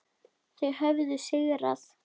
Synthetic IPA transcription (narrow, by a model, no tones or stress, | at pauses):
θɛɣɦœvðʏseːɣɪɾa̰θ